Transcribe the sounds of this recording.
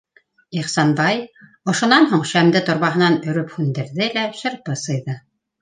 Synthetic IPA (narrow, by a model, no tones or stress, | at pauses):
iχsɑnbɑj | ŏʃŏnɑnɦuɴʃæmd̪ɘt̪ŏɾβɑɦɤ̆nɑnɵ̆ɾɵphʉnd̪ɘ̆ɾðɘlæpʃɘ̆ɾpɤsɤ̆jðɤ